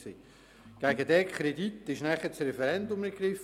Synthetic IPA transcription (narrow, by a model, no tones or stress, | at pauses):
siː | ɡ̥æɡədɛːkʰχɾedit̪ːɪʃnæχət͡sɾɛfɛɾɛndʊmɛɾɡɾɪf